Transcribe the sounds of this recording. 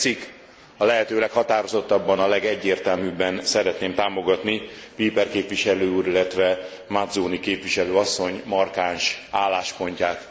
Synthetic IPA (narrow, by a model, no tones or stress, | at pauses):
t̪sikː | ɒlɛɦɛt̪øːlɛkhɒt̪aːɾozo̞t̪ːɒbːɒnɒlɛɡɛɟːeːrt̪ɛlmybːɛnsɛɾɛt̪neːmt̪aːmo̞ɡɒt̪nipiːpɛrkeːpʋiʃɛløːuːɾilːɛt̪ʋɛ | mad̪zoːnikeːpʋiʃɛløːɒsːo̞ɲmɒrkaːnʃaːlːaːʃpo̞ɲcaːt̪